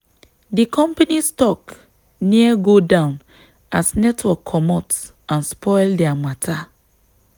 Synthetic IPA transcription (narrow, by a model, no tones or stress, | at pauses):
dikʰɔ̃mpanistɔk | niəɡodãʊ̃n | ʔasnɛtwɔkʰːɔmɔt | ãnspʰɔɪldɛamatʰa